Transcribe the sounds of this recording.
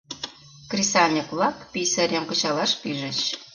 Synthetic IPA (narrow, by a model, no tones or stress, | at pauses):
krʲisɑlʲnʲiklɑkpisə̆ɾʲemkɤ̆t͡ɕɑlɑʃpiʒə̆t͡ɕ